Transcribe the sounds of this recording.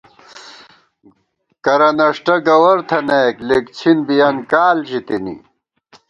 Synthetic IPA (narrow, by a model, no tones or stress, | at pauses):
kɐɾɐnɐʂʈɐɡɐwɐɾt̪ʰɐneːklekt͡ɕʰinbijɐnkaːlʑit̪inḭ